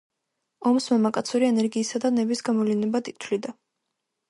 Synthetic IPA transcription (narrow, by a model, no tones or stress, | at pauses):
ɔmsmamakʼat̪sʰuɾiɛnɛɾɡiːsad̪anɛbisɡamɔlinɛbat̪ʼit̪ʰwlid̪a